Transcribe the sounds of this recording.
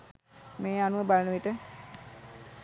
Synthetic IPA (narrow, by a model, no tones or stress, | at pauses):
meːanuəbalənəʋiʈə